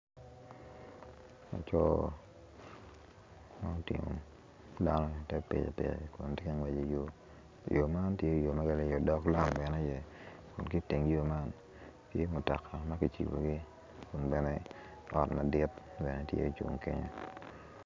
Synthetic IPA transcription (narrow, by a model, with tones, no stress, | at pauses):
a̰˨t͡ʃɔ˦ | ma˦o˦tɪ̰˨mo̰˨ | da˦nɔ˦˨tɛ˦pḛ˨d͡ʒo̰˨pḛ˨ɾḛ˨kṵ˨ntɪ˦ka˦ŋwe˨d͡ʒo˨jo˦˨ | jo˨ma˦ntje˦˨jo˨ma˦ɡa˦le˦jo˨dɔ˦kla˦mbɛ˨ne˦jɛ˨ | kʊ˨nki˦te˨ŋjo˦ma˦n | tje˦mʊ˨ta˨kʰa˨ma˦ki˨t͡ʃḭ˨bo̰˨ɡi˦ | kʊ˨nbɛ˨nɛ˦ | ɔ˨tma˨dɪ˦t̚bɛ˨nɛ˦tjḛ˦˨t͡ʃṵ˨ŋkḛ˦ɲo̰˦